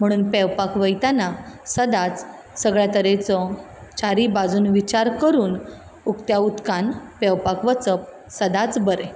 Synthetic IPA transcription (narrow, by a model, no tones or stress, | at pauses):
m̤əɽ̃uːnpɛwpakʋəjt̪anasəd̪at͡s | səɡɭjat̪əɾet͡sɔ | t͡ɕaɾibad͡zuːnʋit͡ɕaɾkəɾuːn | ukt̪jaut̪kanpɛwpakʋət͡səp̚ | səd̪at͡sbəɾe